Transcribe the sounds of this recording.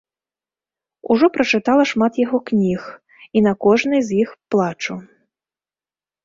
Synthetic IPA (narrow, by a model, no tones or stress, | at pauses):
ṵʐɔpɾɐt͡ʂɨt̪alˠɐʂmat̪jaɣɔknʲix | inɐkɔʐnɨjzʲjixplˠat͡ʂu